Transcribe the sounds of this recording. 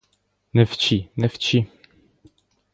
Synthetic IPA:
nɛft͡ɕinɛft͡ɕi

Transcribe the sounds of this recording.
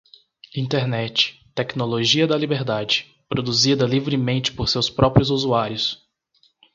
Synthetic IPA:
ĩt̪eɾnɛt͡ʃɪ̥t̪ɛknoloʒiɐd̪ɐlibeɾd̪ad͡ʒɪ̥ | pɾod̪uzid̪ɐlivɾɪmẽnt͡ʃɪ̥poɾsewspɾɔpɾʲʊzuzuaɾjʊs

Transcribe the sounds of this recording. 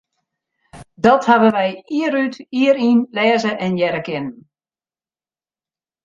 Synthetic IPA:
dɔthabəʋɛjiəɾytiəɾinlɛːzəʔɛnjɛɾəkɪnən

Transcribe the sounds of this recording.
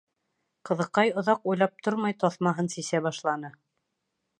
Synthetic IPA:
qɤ̆ðɤ̆qɑjŏðɑqujlˠɑp̚t̪ʰoɾmɑjt̪ɒθmɑɦɤnsisæβɑʃlˠɑnɤ

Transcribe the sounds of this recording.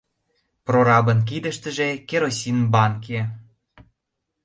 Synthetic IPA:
proɾɑbə̆nk̬id̪ə̆ʃt̪ə̆ʒĕkeɾosʲinbɑnke

